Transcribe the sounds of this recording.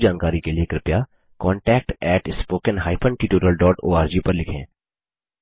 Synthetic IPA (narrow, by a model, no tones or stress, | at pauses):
d͡ʒaːnkaːɾikelieːkɾɪpja | kɔːɳʈɛːk̚ʈɛːʈɪspoːkənɦaːɪpʰə̃ɳʈiːʈoːɾəlɖɔːʈoːaːɾd͡ʒiːpɐɾlɪkʰḛ̃ː